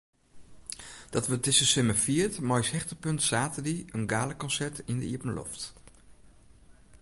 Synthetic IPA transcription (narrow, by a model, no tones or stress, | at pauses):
d̥ɑtʋətɪsəsʏməfiətmɔjshɛχtəpɵntsaːtədiənɡaːləkɔnsɛɹtɪndəḭəpənlɔ̰ft